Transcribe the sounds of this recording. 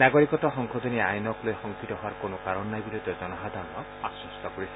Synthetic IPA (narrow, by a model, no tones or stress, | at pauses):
naɡɔɾikɔtɔxɔŋkʰɔd̪ʱɔniajnɔklojxɔŋkʰitɔɦowaɾkonɔkaɾɔnːajbiɾod̪ɔd͡ʒɔnɔɦad̪ʱaɾɔnɔ | asɔst̪ʰɔkoɾisʰ